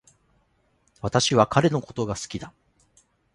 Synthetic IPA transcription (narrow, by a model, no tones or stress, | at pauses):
βat̪aɕiβakʰaɾe̞no̞ko̞t̪o̞ɡasɨ̥kʲid̪a